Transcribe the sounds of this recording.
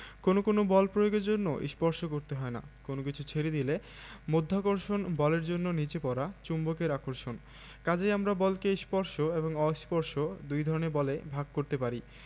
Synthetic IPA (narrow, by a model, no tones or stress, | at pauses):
konokonobɔlpɾojoɡeɾd͡ʑonːo̰ʔḭʃpɔɾʃokoɾt̪eɦɔena̰konokit͡ɕʰut͡ɕʰeɾid̪ile | mod̪ʱːakoɾʃonbɔleɾd͡ʑonːonit͡ɕepɔɾat͡ɕumbokeɾakoɾʃon | kad͡ʑejamɾabɔlkeiʃpɔɾʃoeboŋɔiʃpɔɾʃod̪ujd̪ʱɔɾoneɾbɔlebʱaɡ̚koɾt̪epaɾi